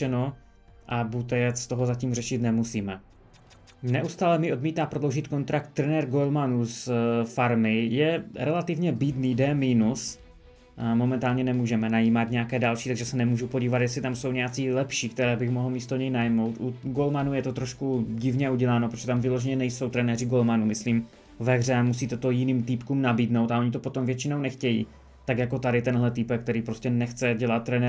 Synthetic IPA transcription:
ɛno | ʔabut̪ɛjɛt͡sst̪o̞ɦozaciːmr̝ɛʃɪt̪nɛmusiːmɛ | nɛʔust̪aːlɛmɪo̞dmiːt̪aːpɾo̞dlo̞wʒɪt̪ko̞nt̪ɾak̚t̪ːɾɛnɛɾɡolmanusfaɾmɪjɛɾɛlat̪ɪvɲɛbiːd̪niːdɛːmiːnus | mo̞mɛnt̪aːlɲɛnɛmuːʒɛmɛnajiːmat̪ɲɛakɛːdalʃiːt̪aɡʒɛsɛnɛmuːʒupo̞ɟiːvat̪jɛslɪt̪amso̞wɲɛjat͡siːlɛpʃiːkt̪ɛɾɛːbɪxmoɦl̩miːst̪oɲɛjnajmo̞wt̪ʔuɡolmanujɛt̪o̞t̪ɾoʃkuɟɪvɲɛuɟɛlaːnopɾoʒ̥ɛt̪amvɪlo̞ʒɛɲɛnɛjso̞wt̪ɾɛnɛːrɪɡo̞lmanumɪsliːm | vɛɣrɛamusiːt̪ɛt̪o̞jɪniːmt̪ipkuːmnabiːdnowt̪aoɲɪt̪o̞po̞t̪o̞mvjɛt͡ʃɪnownɛxcɛjḭː | t̪akjako̞t̪adɪt̪ɛnɦlɛt̪ɪpɛkt̪ɛɾiːpɾoscɛnɛxt͡sɛɟɛlat̪̚ːɾɛnɛ

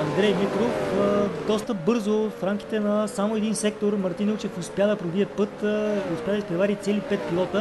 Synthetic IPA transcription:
ɐnd̪ɾɛjmikɾofəd̪ɔst̪əbɤɾzofɾamki̥t̪ɛnɐsamoɛd̪insɛk̚t̪oɾmɐɾt̪inɛt͡ʃɛfʊspjad̪ɐpɾobiɛpɤt̪iʊspʲjad̪əispɾɛvaɾʲit̪sɛlipɛt̪̚pilˠɔt̪ə

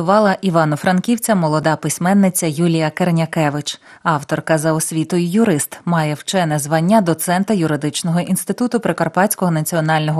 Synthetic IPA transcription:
ʊʋɑlˠɐʔiʋɑnɔfɾɐnkʲiwt͡sʲɐmɔlˠɔd̪ɑpɪsʲmɛnːɪt͡sʲɐjulʲijɐkernʲɐkɛʋɪt͡ʃ | ɑwt̪ɔrkɐzɐɔsʲʋʲit̪ɔjʊjʊɾɪst̪mɑjɛwt͡ʃɛnɛzʋɑnʲːɐd̪ɔt̪sɛnt̪ɐjʊɾɪd̪ɪt͡ʃnɔɦɔʔinst̪ɪt̪ut̪ʊpɾɪkɐrpɑsʲkɔɦɔnɐt͡sʲiɔnɑlʲnɔɦɔ

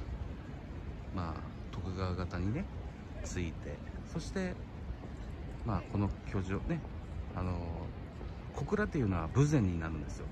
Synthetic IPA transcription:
ma̰ː | t̪o̞kɯ̟ɡaβaɡat̪aɲ̟ine̞ | t͡sɨit̪e̞̰so̞ɕi̥t̪e̞ | maːko̞no̞kʲʰo̞ːʑione̞ | ano̞ | ko̞kɯ̟ɾat̪ːe̞iɯ̟no̞βabɯ̟zẽ̞ɲ̟ːinaɾɯ̟̃nd̪e̞sɨjo̞̰

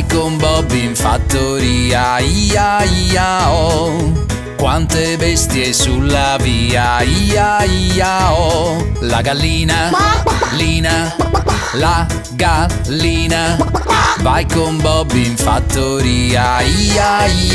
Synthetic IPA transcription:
jkombɔbːiɱfa̰t̪ːoɾiːaiaiao | kwant̪ebɛst̪jesulːaviːaiaiaolaɡalːiːna | liːna | la | ɡa | lːiːna | vajkombɔbːiɱfa̰t̪ːoɾiːaiːa

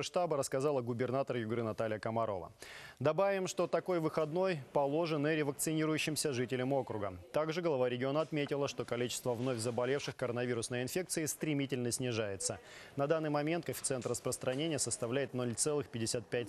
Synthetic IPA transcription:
ʂt̪abəɾəskɐzalˠəɡʊbʲɪrnat̪ərjʊɡɾɨnɐt̪alʲɪjəkəmɐɾo̞̰və̰d̪ɐbavʲɪmʂt̪o̞t̪ɐko̞jvɨxɐd̪no̞jpɐlˠo̞ʐɨnɨɾʲɪvək̚t̪sɨnʲiɾʊjʉɕːɪmsʲəʐɨtʲɪlʲəmo̞kɾʊɡət̪aɡʐɨɡəlˠɐvaɾʲɪɡʲɪo̞nəɐt̪mʲetʲɪlˠəʂt̪o̞kɐlʲit͡ɕɪ̥st̪vəvno̞fʲzəbɐlʲe̞fʂɨxkəɾənɐvʲiɾʊsnəjəɪnfʲe̞k̚t̪sɨɪst̪ɾʲɪmʲitʲɪlʲnəsʲnʲɪʐajɪt̪sənɐd̪anːɨjmɐmʲe̞nt̪̚kəfʲɪt̪sɛnt̪rəspɾəst̪ɾʔɐnʲenʲɪjəsəst̪ɐvlʲæjɪt̪no̞lʲt̪sɛlˠɨxpʲɪdʲɪsʲat̪̚pʲæt̚ʲ

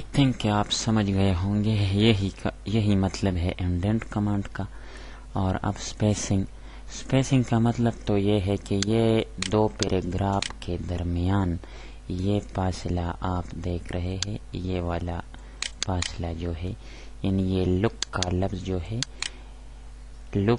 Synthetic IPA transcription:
t̪ʰɪ̃ŋkeaːpsɐməd͡ʒʱɡɐeɦõːŋɡejeɦikjɐɦimɐt̪ləbɦɛʔɪ̃ɳɖẽɳʈkɐmãːɳɖka | ɔːɾɐ̰bspeːsɪ̃ŋɡ | speːsɪ̃ŋɡkamɐt̪ləbt̪ojeɦɛkejed̪oːpeːɾʔeɡɾaːfked̪ɐɾmɪjaːn | jefaːsɪlaʔaːpd̪eːkʰɾɐɦeɦɛ̃jeʋaːla | paːsɪlad͡ʒoːɦɛ | jaːnijelʊkːalɐbzd͡ʒoːɦɛː | lʊk

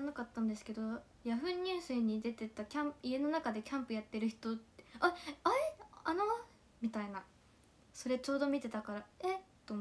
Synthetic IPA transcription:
anakat̪ːãnd̪e̞sɨ̥ke̞d̪o̞ | jaɸɯ̟̃ɲ̟ʲːɨːsɨɲ̟ːid̪e̞t̪e̞t̪akʲãmie̞no̞nakad̪e̞kʲãmpɯ̟jat̪ːe̞ɾɯ̟çi̥t̪o̞t̪ːeaaiano | mʲit̪aina | so̞ɾe̞t͡ɕo̞ːd̪o̞mʲit̪e̞t̪akaɾaet̪ːo

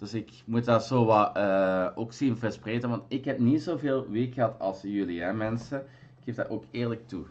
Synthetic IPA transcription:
d̥ɵsɪk | mut̚daːzoːʋɑləːoːksinvəspreːtənʋɑntɪkɦɛp̚nitzoːveːlˠʋeːkxəɦɑtɑ̰lˠsjʏliɦɛmɛnsə | ɪkhefda̰ʔoːkeːrlək̚tu

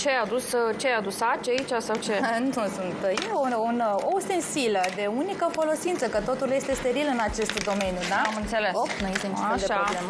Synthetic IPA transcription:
t͡ʃead̪ust͡ʃeajad̪usat͡ʃait͡ʃasawt͡ʃensusunt̪jeunost̪ensiləd̪e̞unikəfo̞lo̞sint̪səkət̪o̞t̪ulje̞st̪e̞st̪e̞ɾilɨnat͡ʃe̞st̪d̪o̞me̞njud̪aamɨnt̪se̞lesonujest̪eniaʃd̪eɾaoblemə

